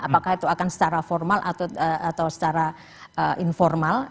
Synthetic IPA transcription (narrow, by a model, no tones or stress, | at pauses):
apakahit̪uakansə̥t͡ʃaɾafɔrmalʔa̰t̪at̪awsə̥t͡ʃaɾa | ʔəʔinfɔrmal